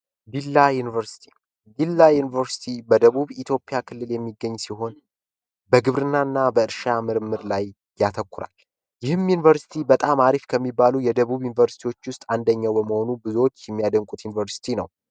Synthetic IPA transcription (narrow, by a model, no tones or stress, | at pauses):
ɡilːajunivəɾsi̥t̪ʰi̥ | ɡilːajunivəɾsi̥t̪ʰibəd̪əβuβit̪ʰjo̞pʼːɪjakʰɨlːɨljɛmːiɡːəɲːsiɦo̞n | bəɡɨβɾɨnːanːabəɨɾʃamɨɾmːɨɾlajː | at̪ʰəkʰʷːuɾa̰l | jɪhɨmjunivəɾsi̥t̪ʰibət̪ʼamaɾifkʰəmːibːalujɛd̪əβuβjunivəɾsi̥t̪ʰiwo̞t͡ʃːwʊst̪ʼand̪əɲːawbəməho̞nubɨzwot͡ʃːjɛmːijad̪əŋkʼut̪junivəɾsi̥t̪ʰinəw